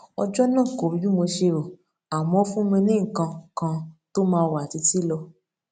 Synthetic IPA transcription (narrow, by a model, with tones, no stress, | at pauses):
ɔ˧d͡ʒɔ˦nãː˦˨ko˨˦ju˦mo˧ʃe˧ɾo˨ | a˨wmɔ̃˨˦fũ˦mĩ˧nĩ˦ŋ̩˨kã˧kã˧to˦mãː˧wa˨ti˨˦ti˦lɔ˧